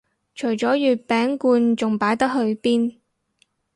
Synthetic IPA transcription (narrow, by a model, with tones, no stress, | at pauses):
t͡ʃʰɵ˨˩ɥt͡sɔː˨˥jyː˨t̚pɛː˨˥ŋkuː˧nt͡sʊ˨ŋpaː˨˥jt̪ɐ˥k̚ɦɵ˨˧ɥpiː˥n